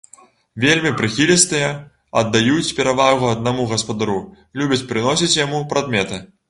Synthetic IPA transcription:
vʲelʲmʲipɾɨxʲilʲist̪ɨjɐ | ɐd̪ːajut͡sʲpʲɛɾavaɣuɐd̪namuɣɐspɐd̪aɾu | lʲubʲɐt͡sʲpɾɨnɔsʲit͡sʲjamupɾad̪mʲɛt̪ɨ

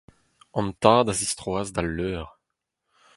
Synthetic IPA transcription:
ɑ̃mt̪aːd̪azist̪ʁwaːzd̪alːœːʁ

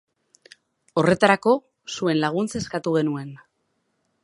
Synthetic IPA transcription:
o̞re̞t̪aɾako̞ | sue̞nlaɣ̞unt͡se̞skat̪uɣ̞e̞nue̞n

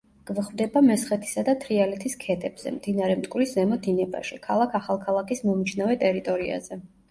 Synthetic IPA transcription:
ɡ̥vχvd̪ɛbamɛsχɛt̪ʰi̥sad̪at̪ʰɾialɛt̪ʰiskʰɛt̪ʰʼɛb̥z̥ɛ̰md̪̥inaɾɛmt̪ʼkʼwɾiszɛmɔd̪inɛba̰ʃikʰalˠakʰaχalˠkʰalˠakʰismɔmt͡ʃʰnavɛt̪ʼɛɾit̪ʼɔɾia̰zɛ

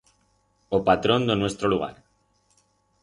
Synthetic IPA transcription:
opat̪ɾo̞nd̪enwe̞st̪ɾoluɣ̞a̰ɾ

